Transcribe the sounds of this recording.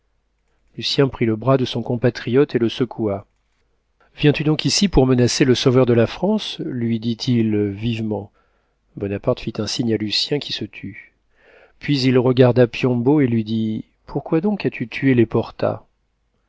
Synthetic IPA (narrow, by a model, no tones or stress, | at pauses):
lysjɛ̃pχiləbʁad̪əsɔ̃kɔ̃pat̪χijɔt̪eləsəkʰua | vjɛ̃t̪yd̪ɔ̃kisipuʁmənaseləsovœʁd̪əlafχɑ̃slɥid̪it̪ʰilvivmɑ̃ | bɔnapaʁt̪fit̪ɛ̃siɲalysjɛ̃kʲi̥sət̪ʰy | pɥizilʁəɡaʁd̪apjɔ̃boelɥid̪i | pʰuʁkwad̪ɔ̃kat̪ʰyt̪ʰyelepɔʁt̪a̰